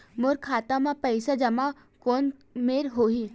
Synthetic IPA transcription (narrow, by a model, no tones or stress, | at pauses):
moɾkʰaːt̪amãpɐɪsad͡ʒɐma | koːnmeːɾɦoːɦiː